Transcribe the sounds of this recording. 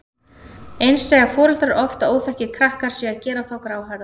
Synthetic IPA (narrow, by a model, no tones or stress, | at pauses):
ejnsːɛːɣafɔːɾʏlt̪aɾʔɔft̪aoːwθɛhcɪkʰɾahkaɾ̥sɛaðcɛːɾaθawkɾaːwɦaɾða